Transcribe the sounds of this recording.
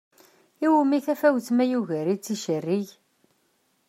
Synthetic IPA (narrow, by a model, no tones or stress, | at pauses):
iwmiθæfæwθmæjuʝæɾit͡sːiʃərːiʝ